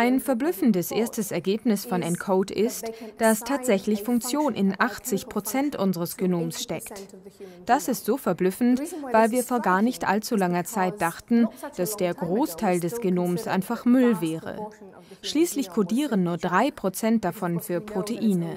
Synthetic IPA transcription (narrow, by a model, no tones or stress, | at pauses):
ʔaɪnfɛɐblʏfn̩dəsʔeːɐstəsɛɐɡeːpnɪsfɔnɛntkʰoʊtɪstd̥astʰaːtz̥ɛçlɪçfʊŋk̚t͡sjoːnʔɪnʔaχt͡sɪçpʁ̥ot͡sɛntʔʊnzəʁəsɡ̥enoːmsʃtɛktd̥asɪstz̥oːfɛɐblʏfn̩tv̥aɪlviːɐfoːɐɡaːɐnɪçtʔa̰lt͡sulaŋɐt͡saɪt̚d̥aχtn̩d̥asd̥eːɐɡʁoːstʰaɪldɛsɡ̥enoːmsʔa̰ɪnfaχmʏlvɛːʁə̰ | ʃliːslɪçkʰodiːʁənːuːɐdʁaɪpʁ̥ot͡sɛnt̚d̥afɔnfyːɐpʁ̥otʰeʔiːnə